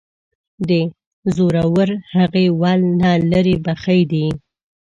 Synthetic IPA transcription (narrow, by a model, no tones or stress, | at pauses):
d̪ə | zoɾawəɾhaɣewɑlnɑləɾebaxajd̪i